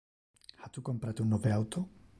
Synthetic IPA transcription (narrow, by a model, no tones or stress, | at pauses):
hat̪ukompɾat̪unːoβeawt̪o